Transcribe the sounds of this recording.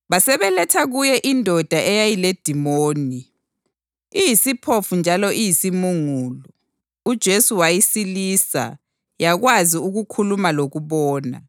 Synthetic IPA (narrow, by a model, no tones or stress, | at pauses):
βasɛβɛlɛtʰaɣujɛʔindʱɔd̥ʱaʔɛjajiled̥ʱimoːni | ijisipʰofund͡ʒʱalɔʔijisimuŋuːlɔ | ud̥ʒ̥ʱesuwajisiliːsa̰ | jaɣwaziuɣukʰulumaloɣuβɔːna̰